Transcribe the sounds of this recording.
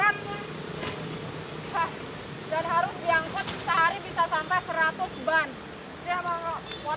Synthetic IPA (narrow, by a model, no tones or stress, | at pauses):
at̪̚kʊn | ha | danɦaɾʊsdiaŋkʊt̪̚səɦaɾibisasampɛsəɾat̪ʊsban | t̪iamaŋɔwa